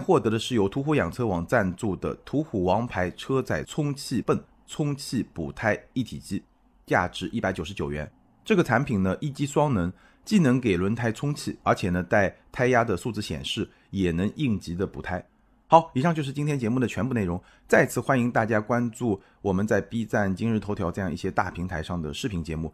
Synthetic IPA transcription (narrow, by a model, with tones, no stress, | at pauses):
nxwɔ˥˩t̪ɤ˧˥d̪ə˧ʂɻ̩˥˩jo˥ʊt̪ʰu˧˥xu˧˥jɑ̰˨˩ŋt͡sʰɤ˥wɑ˨˩ŋt͡sa˥˧nt͡su˥˩d̪ə̰˩t̪ʰu˧˥xu˨˩wɑ˧˥ŋpʰa˧˥ɪʈ͡ʂʰɤ˥t͡sa˥˩ɪt͡sʰʊ˥ŋt͡ɕʰi˥˧pə˥˩n | t͡sʰʊ˥ŋt͡ɕʰi˥˩pu˨˩t̪ʰa˥ɪi˥˩t̪ʰḭ˨˩t͡ɕi˥˩ | t͡ɕja̰˥˩ʈ͡ʂɻ̩˧˥ʔi˥˩pa˧˥ɪt͡ɕjo˨˩ʊʂɻ̩˧˥t͡ɕjo˨˩ʊɥɛ̰˧˥n | ʈ͡ʂɤ˥˩ɡə˩t͡sʰa˧˥npʰi˨˩ŋnə˦ʔi˥˩t͡ɕi˥swɑ˥ŋnə˧˥ŋ | t͡ɕi˥˩nɤ˧˥ŋke˨˩ɪlwə˧˥nt̪ʰa˥˩ɪt͡sʰʊ˥ŋt͡ɕʰi˥˩ə˞˧˥t͡ɕʰjɛ˨˩nə˧˦t͡sa˥˩ɪt̪ʰa˥ɪja˥d̪ə˨su˥˧t͡sɹ̩˥˧˩ɕjɛ̰˨˩nʂɻ̩˥˩ | jɛ˨˩nɤ˧˥ŋʔi˥˩ŋt͡ɕi˧˥d̪ə˧pṵ˨˩t̪ʰa˥ɪ | xɑ˧˥ʊi˨˩ʂɑ˥˧ŋt͡ɕjʂɻ̩˥˩t͡ɕi˥nt̪ʰjɛ˥nt͡ɕjɛ˧˥mu˥˩d̪ə˩t͡ɕʰɥɛ˧˥npu˥˧e˥˩ɪɻʊ˧˥ŋ | t͡sa˥˩ɪt͡sʰɹ̩˥˩xwa˥ni˧˥ŋt̪a˥˩t͡ɕja˥kwa˥nʈ͡ʂu˥˩ | wɔ˨˩mə˦nt͡sa˥˩ɪpi˥t͡sa˥˩nt͡ɕi˥ŋɻ̩˥˩t̪ʰo˧˥ʊjɑ˧˥ʊʈ͡ʂɤ˥˧jɑ˥˧ŋi˥˩ɕjɛ˥t̪a̰˥˩pʰi˧˥ŋt̪ʰa˧˥ɪʂɑ˥˩ŋd̪ə̰˩ʂɻ̩˥˩pʰi˧˥ŋt͡ɕjɛ˧˥mu˥˩